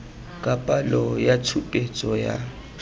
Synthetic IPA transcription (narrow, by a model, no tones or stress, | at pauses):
kʼapʼalɔjatʰupʼet͡sʼɔja̰